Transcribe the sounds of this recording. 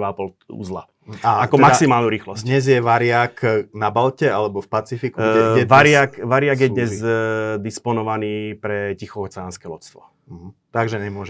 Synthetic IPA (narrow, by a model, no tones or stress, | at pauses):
ʋapɔl | ṵːzla̰ | aatkɔɛmaksimaːlnuɾiːxlɔsd̪ɲɛzjɛʋaɾɪaknabalcɛalɛbɔfpat͡sifikuɡɛɛʋaɾɪakʋaɾɪaɡjɛd̪ɲɛzd̪ispɔnɔʋaniːpɾɛcixɔɔt͡sɛanskɛlɔt͡st̪ʋɔ̰ɦ̩t̪aɡʒɛɲɛmʊɔʒ